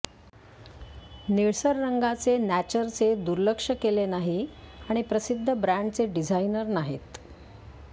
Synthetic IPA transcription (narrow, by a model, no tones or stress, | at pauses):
niɭsəɾːəŋɡat͡senæt͡ɕəɾt͡sed̪uɾləkʂəkelenaɦiaɽ̃ipɾəsid̪ʱːəbɾæɳɖt͡seɖid͡zʱainəɾnaɦḛt̪